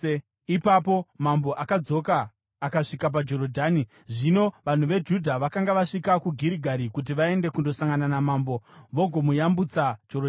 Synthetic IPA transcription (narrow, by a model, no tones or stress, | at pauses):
ipapo̞mambo̞ʔakad͡zo̞kaː | kaʂikap̬ad͡ʒo̞ɾodʱaːni | ʐino̞ʋan̤uʋe̞d͡ʒudʱaʋakaŋɡaʋaʂikakuɡʱiɾiɡʱaɾikut̬iʋae̞nde̞kundo̞saŋɡananamambo̞ʋo̞ɡʱo̞mujambut͡sad͡ʒorod